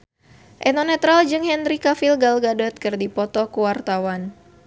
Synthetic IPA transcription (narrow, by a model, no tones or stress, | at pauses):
ʔɛnɔnɛt̪ɾald͡ʒɨŋhɛndɾikafilɡalɡadɔt̪̚kɨrdipɔt̪ɔkuwart̪awan